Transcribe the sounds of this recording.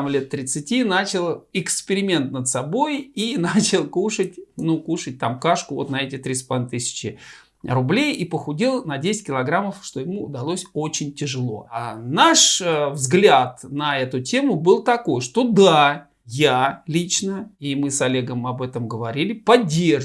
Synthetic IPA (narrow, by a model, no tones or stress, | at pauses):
mlʲe̞t̪ːɾʲɪt̪sɨtʲinat͡ɕɪlˠɪkspʲɪɾʲɪmʲe̞nt̪nət̪sɐbo̞jinat͡ɕɪlˠkuʂət̚ʲnukuʂɨt̚ʲt̪amkaʂkʊvo̞̰t̪nɐɛtʲɪt̪ɾʲisplˠt̪ɨsʲɪ̥t͡ɕɪ | rʊblʲejipəxʊdʲilˠnɐdʲesʲɪ̥tʲkʲɪlˠɐɡɾamːəfʂt̪o̞jɪmud̪ɐlˠosʲot͡ɕɪnʲtʲɪʐɨlˠo̞̰naʂvzɡlʲat̪nɐɛt̪ʊtʲe̞mʊbɨlˠt̪ɐko̞jʂt̪o̞d̪a | jalʲit͡ɕnəimɨsɐlʲeɡəmɐbɛt̪əmɡəvɐɾʲilʲɪpɐdʲːer